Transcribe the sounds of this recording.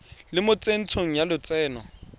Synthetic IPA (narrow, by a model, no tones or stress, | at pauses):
lɪmʊt͡sʼen̩t͡sʰoŋ̩jalʊt͡sɛːnɔ